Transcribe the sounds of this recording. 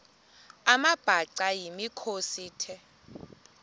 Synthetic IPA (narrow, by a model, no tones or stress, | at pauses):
amab̥ʱaǀajimikʰosiːtʰɛ